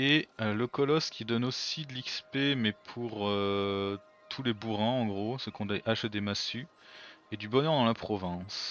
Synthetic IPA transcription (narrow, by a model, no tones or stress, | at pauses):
eləkɔlɔskʲid̪ɔnosid̪əlikspemɛpʰuʁø | t̪ʰulebuʁɛ̃ɑ̃ɡʁosəkɔ̃d̪eʔaʃd̪emasy | ed̪ybɔnœʁd̪ɑ̃lapχɔvɛ̃s